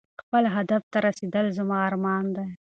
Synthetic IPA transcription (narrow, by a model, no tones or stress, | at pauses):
xpəlɦad̪aft̪aɾased̪əlzamɑːɾmɑnd̪aj